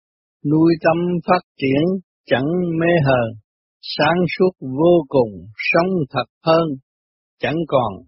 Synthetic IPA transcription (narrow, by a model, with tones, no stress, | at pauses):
nu˧jt̪ə˧mfaː˦˥t̚t͡ɕi˧˦ən | t͡ɕa˧˥ŋme˧˥ɦəː˨˩ | saː˨˦ŋsu˦˥ət̚vo˧kʊ˨˩ŋ͡msə˧˦wŋ͡mt̪ʰə˨˩t̚həː˧n | t͡ɕə˧˥ŋkɔ˨˩n